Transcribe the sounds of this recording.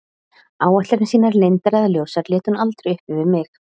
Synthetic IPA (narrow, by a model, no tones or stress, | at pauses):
aːwɛht̪laɾɪnsiːnaɾlejnt̪aɾaðljowsaɾlɛːt̪ʏnalt̪ɾɛjʏhpɪvɪɾmɪx